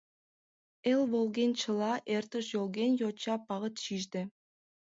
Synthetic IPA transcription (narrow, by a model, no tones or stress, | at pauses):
elʲβolˠɡʲenʲt͡ɕɤ̆lˠɑʔert̪ə̆ʃjolˠɡʲenʲjot͡ɕɑpɑʁə̆t̪ɕiʒd̪ɘ̆